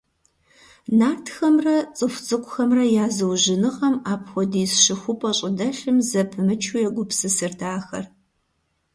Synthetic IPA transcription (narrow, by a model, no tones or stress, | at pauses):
naːrtʰxɐmrɐt͡sʼɨxʷt͡sʼɨkʷʼʊxɐmrɐjaːzɐwʑɪnɨʁɐmaːpʰxʷɔdiːsʃɨxʷʊpʼɐɕʼɪdɐɬɨmzɐpʰɨmɨt͡ʃʰujɛɡʷʊpsɨsɨrtʰaːxɐ̰r